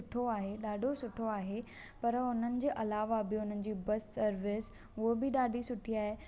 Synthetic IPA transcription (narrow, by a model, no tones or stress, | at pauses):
ʊʈʰoaːɦeɗaːɖʱosʊʈʰoaːɦe | pɐɾʊn̤ənɪ̆d͡ʑeːʔɐlaːʋabɪʊn̤ənɪ̆d͡ʑiːbɐsːɐɾʋɪs | ʊɦobɪɗaːɖʱisʊʈʰiaːɦeː